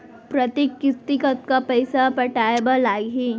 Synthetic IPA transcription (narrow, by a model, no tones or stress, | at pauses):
pɾɐt̪ikːɪst̪ikət̪̚kapɐjsapɐʈajbalaːɡɦi